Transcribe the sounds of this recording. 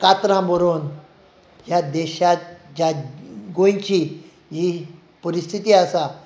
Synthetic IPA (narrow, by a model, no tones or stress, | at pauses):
kat̪ɾãməɾon | ɦjad̪ɛɕat̪̚d͡ʑaɡojt͡ɕi | ɦi | pəɾist̪ʰit̪iːasa